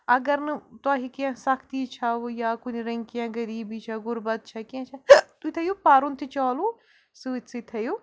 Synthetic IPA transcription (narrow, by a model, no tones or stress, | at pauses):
ɐɡɐɾnɨt̪aːɦikjãsɐkʰt̪iːt͡ʃʰɐjaːkuniɾɐ̃ŋɡkijãɡɐɾiːbiːt͡ʃʰaɡʊɾbɐt̪̚t͡ʃʰɐkiãt͡ʃʰat̪ut̪ʰɐjupaːɾunt̪ʰit͡ʃaːlu | sɨtsɨt̪ʰɐju